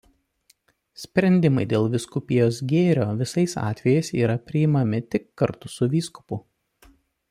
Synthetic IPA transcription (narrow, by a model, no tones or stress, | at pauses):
sʲpʲɾʲɛnʲd̪ʲɪmɐɪd̪ʲeːlˠʋʲɪskʊpʲɪjoːs̬ɡʲeːɾʲoːʋʲɪsɐɪsɑ̰ːt̪ʲʋʲɛjɛɪsiːɾɐpʲɾʲɪɪmɐmʲɪt̪ʲɪkːɐɾt̪ʊsʊʋʲiːskʊ̥pʊ